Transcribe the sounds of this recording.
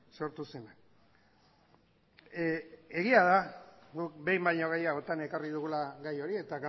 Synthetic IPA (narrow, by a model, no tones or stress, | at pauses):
so̞ɾt̪usenak | e̞ɣiað̞aɡuk̚be̞jmbajɲoɣ̞ajaot̪ane̞kariðuɣulaɣajo̞ɾie̞t̪aɣ